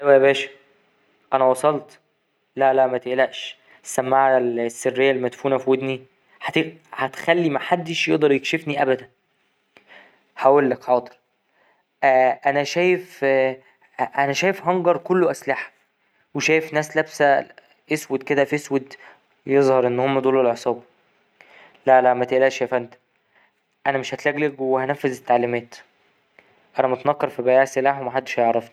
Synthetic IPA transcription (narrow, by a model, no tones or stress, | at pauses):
æjwæʔæbæːʃæ̥ | ʔænæwɑsˤɑlt̪ | lælæmæt̪eʔlæʔʃ | sːæmːaʕlsːerːejːælːmæt̪fuːnæfwed̪ni | ħæt̪ehæt̪xælːimaħad̪ːeʃjeʔd̪ˤɑɾˤjekʃefniʔæbæd̪æn | ħawelːækħɑːt̪ˤe̥ɾ | ʔæʔænæʃæːjef | ʔænæʃæːjefɦɑŋɡɑɾˤkolːoʔæslaħæ̥ | weʃæːjefnæːslæbsæ | ʔeswed̪̚ked̪æfeswed̪ | jezˤhɑɾˤʔenːhomːæd̪oːlelʕesˤɑːb | lælæmæt̪eʔlæːʃæjfænt̪æ̥ | ʔænæmeʃhæt̪læɡlækwehænæfːezet̪ːaʕlimæːt̪ | ʔænæmɑt̪nɑkːɑɾˤfibæjæːʕselaːħwemæħad̪ːe̥ʃæjeʕɾˤɑfni